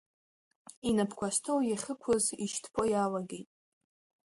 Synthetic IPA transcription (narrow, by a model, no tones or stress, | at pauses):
inapʰkʷʰaʃtʰowjaχʲɨkʷʰʊziʃtʰpʰojalaɡejtʼ